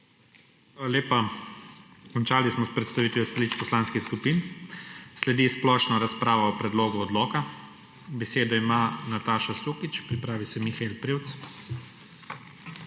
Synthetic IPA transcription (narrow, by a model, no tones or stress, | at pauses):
x | aːlaleːpa | kɔnt͡ʃaːlismɔspɾɛt̪st̪aʋiːt̪iɔst̪alit͡ʃpɔslaːnskixskupin | slɛd̪isplɔːʃnɔɾaspɾaːʋɔɔpɾɛd̪loːɡuɔd̪lɔːka | bɛseːd̪ɔimaːnat̪aːʃasuːkit͡ʃpɾipɾaːʋisɛmixaelpɾiːwt̪s